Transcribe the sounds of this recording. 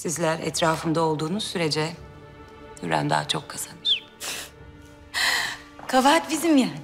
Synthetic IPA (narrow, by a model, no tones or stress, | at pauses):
sizlʲæɾɛ̰t̪ʰɾaːfɯnd̪ao̞lˠd̪uːnuzsyɾe̞d͡ʒɛ | jyɾæ̰nd̪a̰ːt͡ʃʰo̞kʰːaz̥anɯɾ̥ | kʰavaːt̪bizimja